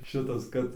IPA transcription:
ˈʃʲɪtɐs ˈkɐt

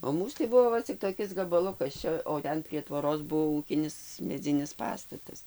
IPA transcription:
oː ˈmuːs tɐɪ ˈbʊʋoː ˈʋɐ t͡sʲɪk toːˈkʲɪs ɡɐbɐˈlˠʊkɐs ˈt͡ʃʲɛ oː ˈtʲɛn pʲrʲiɛ tʋoːˈroːs ˈbʊʋoː ˈuːkʲɪnʲɪs mʲɛˈd͡zʲɪnʲɪs ˈpɑːstɐtɐs

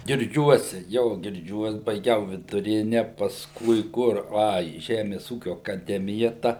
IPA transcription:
ɡʲɪrʲˈd͡ʒʲuɔsʲɛ joː ɡʲɪrʲˈd͡ʒʲuɔs bɐɪˈɡʲɛʊ ʋʲɪdʊˈrʲɪnʲɛ pɐsˈkʊɪ ˈkʊr ˈɐ iː ˈʒʲæːmʲɛs ˈuːkʲʊ ɐkɐˈdʲæːmʲɪjɛ ˈtɐ

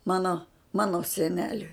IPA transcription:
ˈmɑːnoː ˈmɑːnoː sʲɛˈnʲæːlʲʊɪ

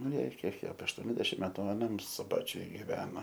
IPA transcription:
nʊ ˈjɛɪ ˈkʲiɛk ɐpʲiɛ ɐʃˈtuɔnʲɛzʲdʲɛʃʲɪm ˈmʲæːtʊ ɐˈnɐm sʊˈbɑːt͡ʃʲʊj ɡʲɪˈʋʲæːnɐ

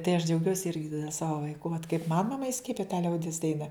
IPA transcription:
tɐɪ ɐʃ d͡ʒʲɛʊˈɡʲuɔsʲɪ ˈɪrʲɡʲɪ ˈsɑːʋoː ʋɐɪˈkʊ ʋɐt kɐɪp mɐn mɐˈmɐ ɪˈsʲkʲiɛpʲɪjɛ tɐ ˈlʲɛʊdʲɪs ˈdɐɪnɐ

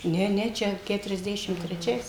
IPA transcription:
ˈnʲɛ ˈnʲɛ ˈt͡ʃʲɛ kʲɛtʊrʲɛzʲˈdʲæːʃʲɪm tʲrʲɛˈt͡ʃʲɛɪs

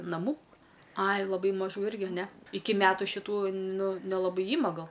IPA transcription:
nɐˈmuː ˈɐɪ lˠɐˈbɐɪ mɐˈʒuː ˈɪrʲɡʲɪ nʲɛ ˈɪkʲɪ ˈmʲæːtʊ ʃʲɪˈtuː ˈnʊ nʲɛlˠɐˈbɐɪ ˈiːmɐ ˈɡɐlˠ

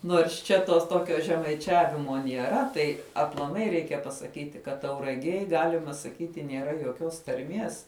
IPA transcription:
nuɔrs ˈt͡ʃʲɛ toːs ˈtoːkʲoː ʒʲɛmɐɪˈt͡ʃʲæːʋʲɪmoː nʲiɛˈrɐ ˈtɐɪ ɐplˠɐˈmɐɪ ˈrʲɛɪkʲɛ pɐsɐˈkʲiːtʲɪ ˈkɐt tɐʊrɐˈɡʲeːj ˈɡɑːlʲɪmɐ sɐˈkʲiːtʲɪ nʲeːˈrɐ joːˈkʲoːs tɐrʲˈmʲiɛs

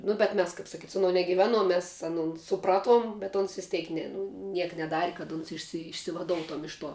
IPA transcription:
nʊ bʲɛt ˈmʲɛs kɐp sɐˈkʲiːtʲ sʊ ɐˈnuɔ nʲɛɡʲɪˈʋʲæːˌnuɔm ˈmʲɛs ɐˈnoːn sʊˈprɑːˌtuɔm bʲɛt ˈoːns ʋʲɪs ˈtʲeːk ˈnʲɛ nʊ ˈnʲiɛk nʲɛˈdɑːrʲɪ kɐt ˈʊns ɪʃʲsʲɪ ɪʃʲsʲɪʋɐˈdoːʊtoːʊm ˈɪʃ ˌtuɔ

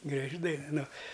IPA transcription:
ɡrɐˈʒʲɪ dɐɪn ˈnʊ

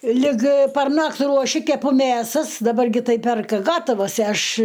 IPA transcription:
lʲɪk pɐrˈnɐktʲ ruɔˈʃʲɪ kʲɛˈpʊ ˈmʲeːsɐs dɐˈbɐr ˈɡʲɪ ˈtɐɪ ˈpʲɛrkɐ ˈɡɑːtɐʋɐs ˈɐʃ

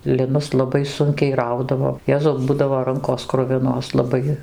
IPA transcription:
lʲɪˈnʊs lˠɐˈbɐɪ ˈsʊŋʲkʲɛɪ ˈrɐʊdɐʋoː ˈjæːzɐʊ ˈbʊdɐʋoː ˈrɐŋkoːs ˈkrʊʋʲɪnoːs lˠɐˈbɐɪ

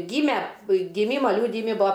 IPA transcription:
ˈɡʲiːmʲɛ ɡʲɪˈmʲiːmɐ ˈlʲuːdʲɪjɪmʲɪ ˈbʊɐ

